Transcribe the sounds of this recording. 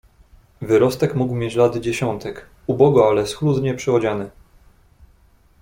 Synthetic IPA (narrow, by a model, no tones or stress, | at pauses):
vɘɾɔst̪ɛkmuɡwmʲjet͡ɕlad̪d͡ʑeɕɔnt̪ɛk | ubɔɡɔalɛsxlud̪ɲɛpʂɘɔd͡ʑanɘ